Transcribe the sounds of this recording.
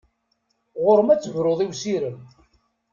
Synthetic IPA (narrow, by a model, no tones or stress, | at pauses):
ʁʊɾəmæt͡sːəvɾoðˤiwsiɾəm